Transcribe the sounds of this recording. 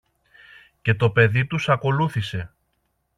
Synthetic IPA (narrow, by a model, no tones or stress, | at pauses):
ce̞t̪o̞pe̞ðit̪usɐko̞luθise̞